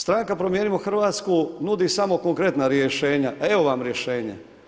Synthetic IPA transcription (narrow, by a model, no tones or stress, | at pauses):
st̪ɾaŋkapɾomjeːnimoxr̩ʋaːt̪skunud̪isamo̞ko̞ŋkɾe̞t̪naɾjeʃe̞ːɲae̞ʋo̞ʋamɾje̞ʃeːɲḛ